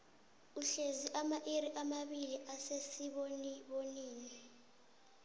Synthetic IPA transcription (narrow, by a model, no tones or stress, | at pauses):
uɬeziʔamaʔiɾiʔamaɓiliʔasesiɓoniɓoniːnii